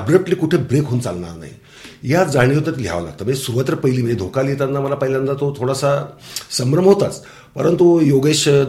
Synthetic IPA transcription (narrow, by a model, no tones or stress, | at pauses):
bɾəp̚ʈliːkuʈʰebɾekɦont͡salɳa̰ɾna̰ɦḭ | jad͡zaɽ̃ijot̪at̪lja̰ʋla̰ɡ̚t̪əmesuɾuʋat̪ɾəpəɦiliːməed̪ʱokaljet̪at̪nːaməlapəɦiljand̪at̪ot̪ʰoɽasasəmɾəmɦot̪at͡s | pəɾənt̪ujoɡeɕ